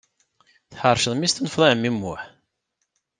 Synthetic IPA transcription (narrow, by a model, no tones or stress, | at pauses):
θħɑɾˤʃəðˤmist̪ənəfðˤɑəmimːʊħ